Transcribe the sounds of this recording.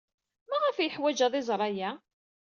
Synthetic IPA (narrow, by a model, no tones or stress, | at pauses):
mæʁəfjəħwæd͡ʒæðˤɪzˤɾˤɑjæ